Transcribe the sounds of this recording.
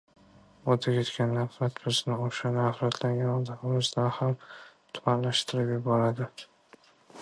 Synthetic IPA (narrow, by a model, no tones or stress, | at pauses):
ɒt̪ʰakʲʰet̪kʲʰanːafɾat̪bɪznɪoʃanafɾat̪ʰlaŋɡʲanɒd̪aʁɨmɪzd̪anhamt̪ʰʊmanlaʃt̪ʰɪɾɪpjebɒɾad̪ɪ